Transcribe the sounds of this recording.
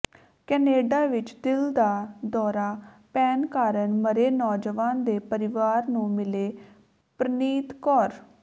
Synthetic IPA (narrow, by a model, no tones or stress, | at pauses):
kɛːneːɖaːʋɪt͡ʃd̪ɪld̪aːd̪ɔːɾaː | pɛːnkaːɾəɳməɾeːnɔːd͡ʒəʋãːnd̪eːpəɾɪʋaːɾnũːmɪleː | pɾəniːt̪kɔːɾ